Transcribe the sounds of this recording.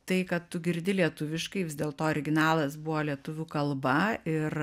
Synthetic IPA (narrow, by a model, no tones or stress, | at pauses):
t̪ɐɪkɐt̪t̪ʊɡʲɪɾʲd̪ʲɪlʲiɛt̪ʊʋʲɪʃkɐɪʋʲɪzd̪ʲeːlˠt̪oːɔɾʲɪɡʲɪnɑːlˠɐsbʊʋoːlʲiɛt̪ʊʋʲuːkɐlˠbɐɪr